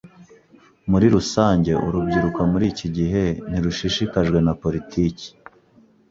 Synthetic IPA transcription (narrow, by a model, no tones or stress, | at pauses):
muɾiɾusaːɲɟe̞ʔṵɾubɟiɾukamuɾiːciɟiɦe̞n̥iɾuʃiʃikaʒɡwe̞napo̞ɾitʰiːci̥